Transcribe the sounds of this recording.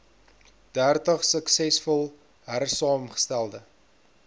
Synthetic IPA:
d̥ærtəχsəksɛsfɔlˠ | ɦærsɑːmχə̥stælˠdə

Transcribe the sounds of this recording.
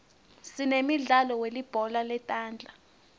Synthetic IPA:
sinemiɮalɔwelib̥ʱɔlalɛtʼaːnd͡ɮʱa

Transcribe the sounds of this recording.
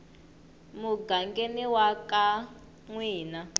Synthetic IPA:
muɡaŋɡeniwaka | ŋwiːna

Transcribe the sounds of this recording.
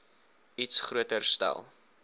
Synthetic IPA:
itsχruətərstæ̰lˠ

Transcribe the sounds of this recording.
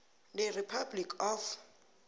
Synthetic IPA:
dɛripʰablikʰɔf

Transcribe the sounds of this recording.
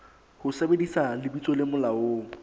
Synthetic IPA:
hʊsebedisalɪbit͡sʼɔlɪmʊlaoː

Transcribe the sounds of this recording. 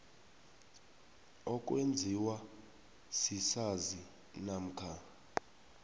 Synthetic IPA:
ɔk̬ʼwend͡zʱiwa | sisazi | nam̩kʰa

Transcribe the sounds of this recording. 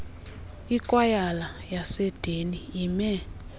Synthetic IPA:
ikʼwajalajasɛd̥ʱeniimɛ

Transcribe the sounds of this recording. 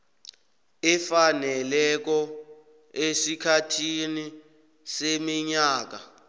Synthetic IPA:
ɛfanɛlɛk̬ɔ | esikʰatʰini | semiɲaːk̬a

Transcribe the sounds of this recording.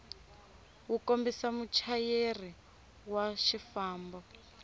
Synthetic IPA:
wukombisamut͡ʃʰajeri | waʃifaːmbɔ

